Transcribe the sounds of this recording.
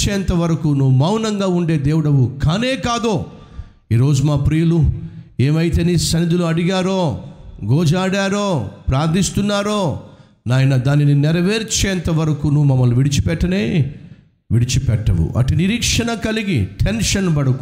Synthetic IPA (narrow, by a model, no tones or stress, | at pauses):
t͡ʃeːnt̪ɐʋɐɾɐkunuʋumɐwnɐŋɡaːuɳɖe̞ːd̪eːwuɽɐʋukaːneːkaːd̪oː | iːɾo̞ːd͡ʒumaːpɾijɐlueːmɐjt̪eːnisɐnid̪uluɐɽiɡaːɾoːɡɔːd͡ʒaːɽaːɾoːpɾaːɾd̪ist̪unːaːɾoː | naːjɐnɐd̪aːnininɛɾɐʋeːɾt͡ʃeːnt̪ɐʋɐɾɐkunuʋumɐmːɐluʋiɽit͡ʃi̥pɛʈːɐneː | ʋiɽit͡ʃipɛʈːɐ̰wṵʔɐ̰ʈiniɾiːkʂɐɳɐkɐliɡḭʈʰenʂɐnbɐɽɐk